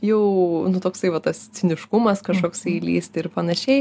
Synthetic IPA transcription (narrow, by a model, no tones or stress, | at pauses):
jɛʊnʊt̪oːksɐɪʋɐt̪ɐst͡s̪ʲɪnʲɪʃkʊmɐskɐʃkoːksɐɪlʲḭːst̪ʲɪɾpɐnɐʃʲɛɪ